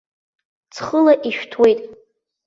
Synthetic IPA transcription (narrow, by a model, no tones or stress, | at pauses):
t͡sʰχəlaʔiʃᶣtʰwe̞jtʼ